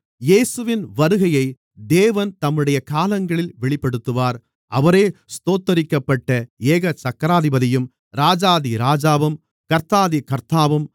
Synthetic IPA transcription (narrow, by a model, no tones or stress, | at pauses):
jeːsɯʋɪnʋɐɾɯɣɐjɐɪ | d̪eːʋɐnt̪ɐmːɯɽɐjɐkaːlɐŋɡɐɭɪlʋɛɭɪpːɐɽɯt̪ːɯʋaːɾ | ʔɐʋɐɾeːst̪oːt̪ːɐɾɪkːɐpːɐʈːɐeːɣɐt͡ʃɐkːɐɾaːðɪbɐðɪjɯm | ɾaːd͡ʒaːðiɾaːd͡ʒaːʋɯm | kɐɾt̪aːðikɐɾt̪aːʋɯm